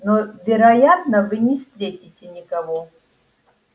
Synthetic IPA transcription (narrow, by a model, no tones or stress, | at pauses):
novʲɪɾɐjat̪nəvɨnʲɪst̪ɾʲetʲitʲɪnʲɪkɐvo